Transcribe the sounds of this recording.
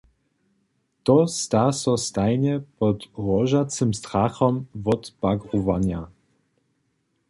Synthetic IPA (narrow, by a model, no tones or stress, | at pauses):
t̪ɔst̪asɔst̪ajɲɛpɔt̪ɾɔʒat͡s̪ɘmst̪ɾaxɔmvɔt̪baɡɾuvaɲa